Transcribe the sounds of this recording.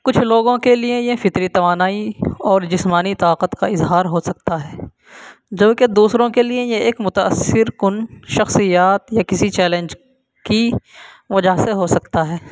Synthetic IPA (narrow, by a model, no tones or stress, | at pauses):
kʊt͡ʃʰloːɡõkeliejefɪt̪ɾit̪ɐʋaːnaːiɔːɾd͡ʒɪsmaːnit̪aːqət̪kaɪzɦaːɾɦosɐk̚t̪aɦɛː | d͡ʒɐbked̪uːsɾõkeliejeeːkmʊt̪aə̰sɪɾkʊnʃɐxsijaːt̪jakɪsit͡ʃɛːlẽnd͡ʒ | ki | ʋɐd͡ʒaɦseɦosɐkt̪aɦɛː